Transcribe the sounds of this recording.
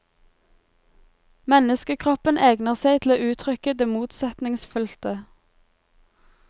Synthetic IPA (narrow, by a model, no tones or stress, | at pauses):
mɛnəskəkʰʁɔpəneːɡnəʁseɪt̪ʰl̩oːʔʉːt̪ʰʁʏkəd̪eːmuːt̪sɛt̪nɪŋsfʉlt̪ə